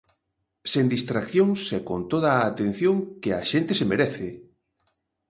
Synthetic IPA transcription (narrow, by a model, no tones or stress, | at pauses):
send̪ist̪ɾakθjoŋsekont̪oð̞aːt̪ẽn̟θjoŋkea̰ʃent̪esemeɾɛθɪ